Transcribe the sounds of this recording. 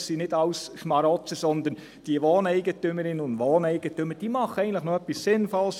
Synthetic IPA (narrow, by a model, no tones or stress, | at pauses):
sinɪdɑʊsʃmɑɾɔt͡səsɔnd̪ən | d̥iəʋoːnɛɪɡətʏməɾɪnːəʊndʋoːnɛɪɡ̥ətøməd̥iːmɑχəɛɡən̩tlɪχnɔœpːissɪnfɔls